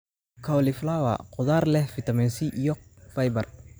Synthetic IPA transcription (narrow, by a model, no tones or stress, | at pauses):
kʰɐwlɪflawa̰qʊðaːrlɛhfɪt̪ɐmɛːnsiʔijɔfɐjbɐr